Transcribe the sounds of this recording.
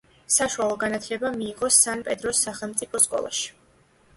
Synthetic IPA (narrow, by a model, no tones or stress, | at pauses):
saʃualˠɔɡanat̪ʰlɛbamiːʁɔsanpʼɛd̪ɾɔsːaχɛlˠmt̪sʼipʰɔskʼɔ̰lˠa̰ʃi̥